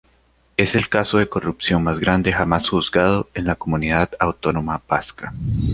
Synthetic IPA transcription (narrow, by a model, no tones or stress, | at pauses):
e̞se̞lkaso̞ðe̞ko̞rupsjo̞nmazɡɾand̪e̞xamasxuzɡað̞o̞e̞nlako̞muniðaðawt̪o̞no̞mabaska